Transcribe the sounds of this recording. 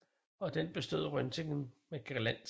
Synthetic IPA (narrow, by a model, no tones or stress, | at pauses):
ɒ̽d̥enb̥e̝sd̥o̝ð̞̰ˠʁœnt͡sʰe̝ŋn̩meɡ̥iɐlæn̰